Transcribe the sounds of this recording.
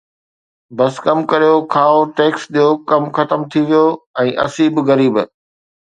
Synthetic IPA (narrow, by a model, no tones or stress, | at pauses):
bɐskɐmkɐɾijokʰaːoʈeːksɗijokɐmxɐt̪əmt̪ʰiʋijoɛ̃ːʔɐ̰siːbɣɐɾiːb